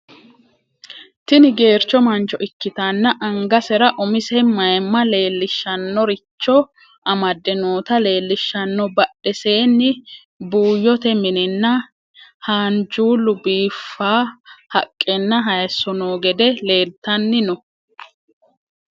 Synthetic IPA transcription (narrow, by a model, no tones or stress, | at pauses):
t̪ɪnɪɡe̞ːɾt͡ʃːɔmɐnt͡ʃːɔʔɪkːɪt̪ɐnːɐʔɐŋɡɐsɛɾɐʔʊmɪsɛmɐjmːɐle̞ːlːɪʃːɐnːɔɾɪt͡ʃːɔ | ʔɐmɐd̪ːɛnoːt̪ɐle̞ːlːɪʃːɐnːɔbɐɗɛse̞ːnːɪ | buːjːɔt̪ɛmɪnɛnːɐ | haːnd͡ʒuːlʊbiːfːaːhɐkʼːɛnːɐɦɐjɐsːɔnoːɡɛd̪ɛle̞ːlt̪ɐnːɪnɔ